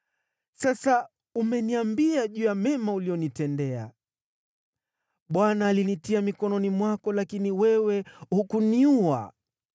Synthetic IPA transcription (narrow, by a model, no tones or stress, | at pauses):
sasa | umɛniambiaʄuːjamɛmauliɔnitɛndɛa̰ | ɓwanaːlinitiamikɔnɔnimwakɔlakiniwɛwɛhukuniua̰